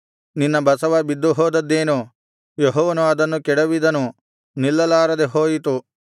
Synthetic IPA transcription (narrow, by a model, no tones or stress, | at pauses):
ninːɐbɐsɐʋɐbid̪ːuɦoːd̪ɐd̪ːeːnu | jeɦɔːʋɐnuɐd̪ɐnːukɛɽɐʋid̪ɐnu | nilːɐlaːɾɐd̪eɦoːjit̪u